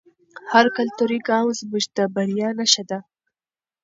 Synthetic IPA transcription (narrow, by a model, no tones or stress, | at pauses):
haɾkalt̪uɾiɡɑwzmʊʒd̪abaɾjɑnaʃad̪a